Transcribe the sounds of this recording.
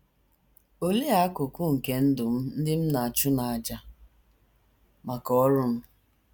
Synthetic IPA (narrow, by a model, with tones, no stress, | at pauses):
o˦le˦a˨a˦kʊ˨kʊ˦ŋ̩˨ke˦n̩˦dʊ˨m̩˦n̩˦dɪ˦m̩˦na˨a˨t͡ʃʊ˦na˨a˨d͡ʒa˦ | ma˨kɔ˦ɔ˦ɾʊ˦m̩˦